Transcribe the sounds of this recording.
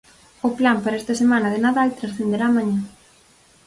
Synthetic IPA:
ʊplampaɾaɛst̪ɐsemanɐðɪnaðalt̪ɾasθend̪eɾaːmaɲa

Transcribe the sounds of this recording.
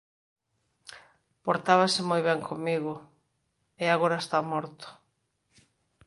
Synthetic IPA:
poɾt̪aβasɪmojβɛŋkʰomiɣʊ | ɪaɣoɾaest̪amɔɾt̪ʊ̥

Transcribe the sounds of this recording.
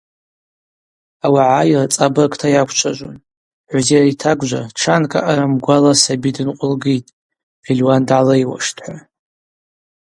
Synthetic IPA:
awaʕajrat͡sʼabakʼtʰajakʷʰt͡ʃʷʰaʒʷon | ʕʷzeaitʰaɡʷʒʷa̰ʈ͡ʂʰankʼa̰ʔaɾamɡʷalasabidɨnqʷʼʊlɡijtʼ | filʲwandʕalajwa̰ʂtʰʼħʷa

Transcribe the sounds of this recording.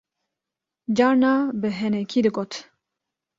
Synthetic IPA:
d͡ʒɑːɾnɑːbɨɦɛnɛkʰiːd̪ɨɡoːt̪

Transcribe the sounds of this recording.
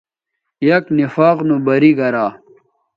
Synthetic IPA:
jɐknifaːqnubɐɾiɡɐɾaː

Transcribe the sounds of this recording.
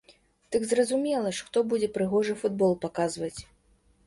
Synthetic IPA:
d̪̥ɨɡzrɐzumʲɛlˠɐʂxt̪ɔbud͡zʲɛpɾɨɣɔʐɨfud̪bɔlˠpakazvɐt͡sʲ

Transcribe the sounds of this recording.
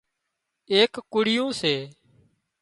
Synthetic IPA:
eːkkːʊɽɪjõːseː

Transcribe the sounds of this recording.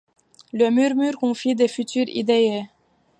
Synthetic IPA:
ləmyʁmyʁkɔ̃fid̪efyt̪yʁḭd̪ee

